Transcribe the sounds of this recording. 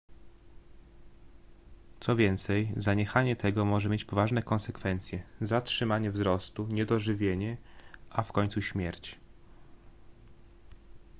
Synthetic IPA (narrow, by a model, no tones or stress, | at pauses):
t̪sɔvʲjɛnt̪sɛjzaɲɛxaɲɛt̪ʰɛɡɔmɔʐɛmʲjet͡ɕpɔvaʐnɛkɔnsɛkfɛnt̪sʲjɛzatʂɘmaɲɛvzɾɔst̪uɲɛd̪ɔʐɘvʲjeɲɛʔafkɔɲʲt̪suɕmʲjɛɾt͡ɕ